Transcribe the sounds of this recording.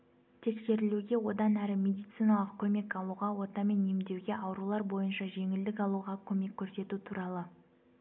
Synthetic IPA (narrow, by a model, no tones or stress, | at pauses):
t̪ʰe̞kse̞ɾɪluɡʲe̞wo̞d̪ɑnæɾɪmʲe̞d̪ijt̪sɨjnɑlˠəqkʲʰɵme̞kɑlˠuʁɑwo̞t̪ɑme̞nːemd̪e̞wɡʲe̞ʔɑwɾulˠɑɾbo̞jənʃɑʒe̞ŋɪld̪ɪkɑlˠuʁɑkʲʰɵme̞kʲʰːɵɾse̞t̪ut̪ʰuɾɑlˠə